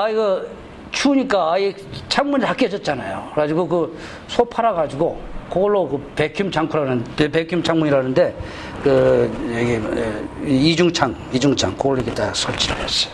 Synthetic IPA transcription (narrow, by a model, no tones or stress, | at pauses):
aiɡʌ | t͡ɕʰuɲik͈aːi | t͡ɕʰaŋmundɦak͈ʌd͡ʑʌt̚t͡ɕ͈anajokɯɾad͡ʑiɡokɯ | sʰopʰaɾaɡad͡ʑiɡokoɡʌɭːokɯpekʰjumt͡ɕʰaŋkʰuɾanɯnepekʰjumt͡ɕʰaŋmuɲiɾanɯnde̞ | kɯjeɡi | id͡ʑuŋt͡ɕʰaŋid͡ʑuŋt͡ɕʰaŋkoɡʌɭːoeɡit͈asʰʌɭt͡ɕ͈ʰiɾes͈ʌ̥jo